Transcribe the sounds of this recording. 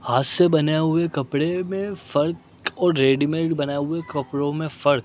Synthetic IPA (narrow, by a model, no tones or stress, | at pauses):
aːsːebɐneɦʊekɐpɽemẽfɐɾk | ɔːɾɾeːɖɪmẽːʈbɐnaeɦʊekɐpɽõmẽfɐɾk̚